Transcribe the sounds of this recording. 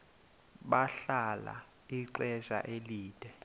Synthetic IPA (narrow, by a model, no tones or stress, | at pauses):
ɓaɬala̰ | iǀɛʒ̥a̰ʔeliːd̥ʼʱɛ